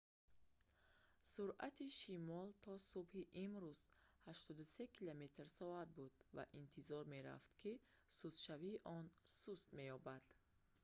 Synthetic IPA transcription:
suɾʔa̰t̪ʰiʃimɔlt̪ʰɔsubhiʔimɾuz̥haʃt̪ɔd̪use̞kʰilame̞t̪rsɔad̪̚bud̪̥va̰ʔint̪ʰizɔɾme̞ɾa̰ft̪kʰi | suzʃaviːʔɔnsust̪me̞jɔbad̪̥

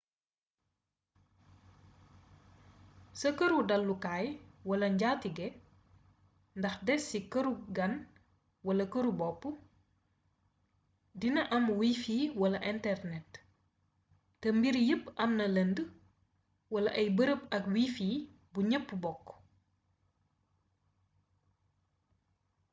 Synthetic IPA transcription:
sɐkɐɾudɐlːukaːjwɐlɐɲɟaːtiɡɛ | ndɐxdɛsːikɐɾuɡɐn | wɐlɐkɐɾubɔpːu | dinɐʔɐmwiːfiːwɐlɐʔɛntɛrnɛt | ɛmbiɾjəpːɐmnɐlɐnd | wɐlɐʔɐjbəɾəp̚ɐkwiːfiː | buɲəpːubɔkː

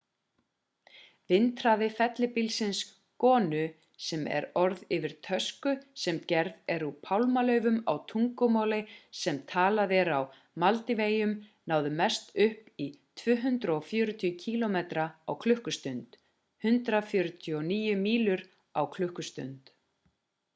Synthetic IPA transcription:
vɪnt̪ɾaðɪfɛt̪lɪpilsɪns | kɔːnʏ | sɛmɛ̰ɾɔɾðɪvɪɾ̥t̪ʰœskʏsɛmcɛɾðɛɾupʰawlmalœːɥvʏma̰wt̪ʰuŋkʏmaːwlɪsɛmt̪ʰaːlaðɛɾaw | malt̪ɪveːjʏmnaːwðʏmɛst̪ʏhpit̪ʰvʏːɦʏnt̪ɾaɔfjœːɾʏt̪ʰʏʏcʰiːlɔmeːt̪ɾaawkʰlʏhkʏst̪ʏnt̪ | hʏnt̪ɾafjœːɾʏt̪ʰiɔniːjʏmiːlʏɾ | awkʰlʏhkʏst̪ʏ̰nt̪

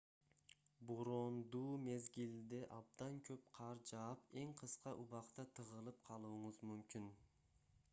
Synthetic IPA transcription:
boɾond̪uːme̞zɡʲild̪eʔɑb̚d̪ɑnkʰøp̚qʰɑɾd͡ʒɑːpe̞ŋqʰɯsqɑʔuβɑqt̪ɑt̪ʰɯʁɯlˠɯp̚qʰɑlˠuːɴʊzmymkʲin

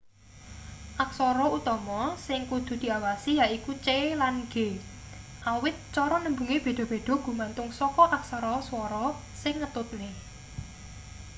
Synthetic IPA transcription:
ʔaksɔɾɔut̪ɔmɔsɪŋkud̪̥ṳd̪̥i̤awasijaikut͡ʃelanɡ̥e̤ | ʔawɪt̪̚t͡ʃɔɾɔnəmbuŋeb̥e̤d̪̥ɔ̤b̥e̤d̪̥ɔ̤ɡ̥ṳmant̪ʊŋsɔkɔʔaksɔɾɔswɔɾɔ | sɪŋːət̪ʊt̪̚ne

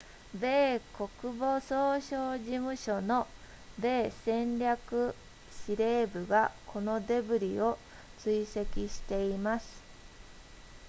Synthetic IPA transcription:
be̞ːko̞kɯ̟bo̞soːɕoːʑimɯ̟ɕo̞no̞ | be̞ːsẽ̞nɾʲakɯ̟ | ɕiɾe̞ːbɯ̟ɡakʰo̞no̞d̪e̞bɯ̟ɾʲio̞ | t͡sɨise̞kʲiɕi̥t̪e̞imasɨ̥

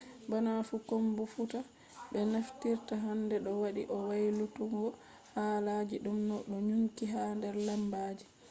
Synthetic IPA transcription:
bɔnafukombufuta | ɓɛnaftiɾtaɦandɛɗɔwaɗiʔɔwajlutuŋɡɔ | haːlad͡ʒiɗumnɔɗɔɲuŋkiɦandɛɾlambaːd͡ʒi

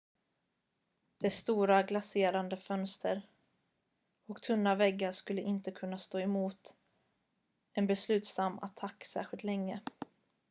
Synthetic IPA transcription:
d̪̥ɛst̪uːɾaɡlaseːɾand̪əfœnst̪ʰəɾ | ɔkt̪ʰɵnːavɛɡːaʂkɵlːəʔɪnt̪əkʰɵnːast̪oːɛmuːt̪ | ɛnbɛslʉ̟ːt̪st̪amːa̰t̪ʰakːsæ̰ːɧɪlt̪lɛŋːə

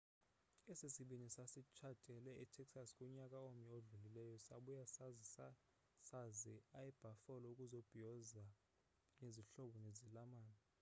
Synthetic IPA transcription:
esisiɓinisasit͡ʃʰatʼɛlɛitʰɛksaskʼuɲakʼaomioɮulilɛjɔsaɓujasz | saziajɛb̥ʱafɔlɔukʼuzob̥ʱijɔza | neziɬɔɓɔnezilamaːnɔ

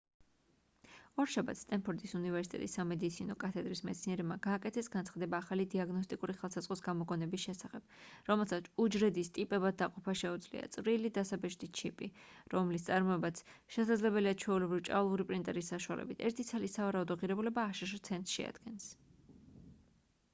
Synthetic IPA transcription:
ɔɾʃaba̰t̪st̪ʼɛnpʰɔɾt̪ʼisunivɛɾsit̪ʼɛ̰t̪ʼisːamɛd̪it̪sʰinɔkʼat̪ʰɛd̪ɾismɛt̪sniɛɾɛbmaɡaːkʼɛt̪ʰɛsɡanʰχad̪ɛbaːχalid̪iaɡnɔs̬t̪ʼikʼuɾiχɛlˠsaz̥qʼɔsɡamɔɡɔnɛbisʃɛsaχɛb̥ɾɔmɛlˠsat̪sud͡ʒɾɛd̪ist̪ʼipʼɛbad̪̚d̪aqʼɔpʰaʃɛud̪zlḭa̰t̪sʼɾilid̪asabɛʃd̪it͡ʃʰipʼiɾɔmlis̬t̪sʼaɾmɔɛbat̪sʃɛsad̪zlɛbɛliad̪̚t͡ʃʰɛulɛbɾivt͡ʃʼa̰vlˠuɾipʼɾint̪ʼɛɾisːaʃua̰lʔɛ̰bit̪ʰɛɾt̪ʰit̪sʰalisavaɾaud̪ɔʁiɾɛbulɛbaːʃaʃt̪sʰɛnt̪sʃɛ̰a̰d̪̥ɡɛns

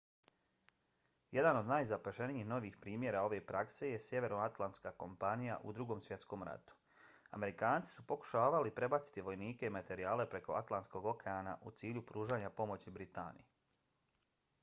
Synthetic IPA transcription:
je̞d̪ano̞d̪najzapaʃeniixno̞ʋiːxpɾiːmje̞ɾao̞ʋe̞pɾakse̞je̞sjeʋe̞ɾoat̪lˠant̪skako̞mpanija̰ʔṵd̪ɾuɡomsʋje̞t̪sko̞ːmɾa̰t̪u̥ | a̰me̞ɾikaːnt̪si̥supo̞ku̥ʃaːʋalipɾe̞bat̪si̥t̪iʋo̞jniːke̞imat̪e̞ɾiaːle̞pɾe̞ko̞a̰t̪lant̪sko̞ɡo̞kʰe̞aːna̰ʔut̪siːʎupɾuːʒaːɲapo̞mo̞t͡ɕibɾit̪a̰ːnḭje

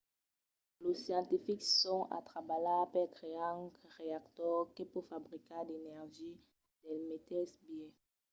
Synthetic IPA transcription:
losjɑ̃t̪ifiksɔ̃a̰t̪χabalapɛt̪ʁeãŋkʁeakt̪ɔʁkepufabʁikad̪enɛʁʒi | d̪̥ɛlmet̪ɛsbjẽ

